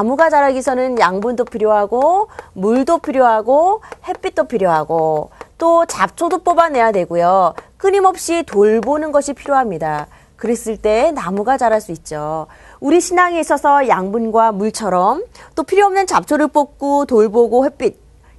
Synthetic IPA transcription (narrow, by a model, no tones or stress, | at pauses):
amuɡad͡ʑaɾaɡisʰʌnɯnjaŋbundopʰiɾjoɦaɡomuɭdopʰiɾjoɦaɡohe̞p͈ːit̚t͈opʰiɾjoɦaɡot͈ot͡ɕap̚t͡ɕʰodop͈ʌbane̞jadwe̞ɡojok͈ɯɲimʌp̚ɕ͈itoɭbonɯnɡʌɕʰipʰiɾjoɦamɲida | kɯɾe̞s͈ɯɭt͈e̞namuɡat͡ɕaɾaɭs͈uit̚t͡ɕ͈o | uɾiɕʰinaŋeis͈ʌsʰʌjaŋbunɡwamuɭt͡ɕʰʌɾʌmt͈opʰiɾjoʌmnɯnt͡ɕap̚t͡ɕʰoɾɯɭp͈ok̚k͈otoɭboɡohep͈it̚